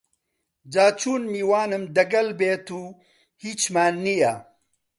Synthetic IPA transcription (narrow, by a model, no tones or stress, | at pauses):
d͡ʒaːt͡ʃʰuːnmiːwaːnɨmd̪ɐɡɐlbeːt̪uː | hiːt͡ʃmaːnːija